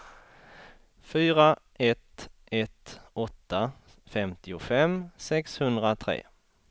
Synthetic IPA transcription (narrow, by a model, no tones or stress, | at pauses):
fyːɾa | ɛt̪ɛt̪ɔt̪ːa | fɛmt̪ɪʊfɛmsɛkshɵnd̪ɾat̪ʰɾḛː